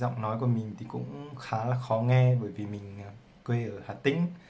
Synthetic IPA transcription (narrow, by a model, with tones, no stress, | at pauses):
zɔ̰˧˨wŋ͡mnɔ˨˦jku˧˩əmï˨˩ŋ̟t̪ʰi˨˩kʊ̰˧˥ŋ͡mxaː˨˦laː˨˩xɔ˨˦ŋɛ˧ɓəː˧˩jvi˨˩mï˨˩ŋ̟aː˨˩ | kwe˧ʔəː˧˩haː˨˩t̪ï˨˧˦ŋ̟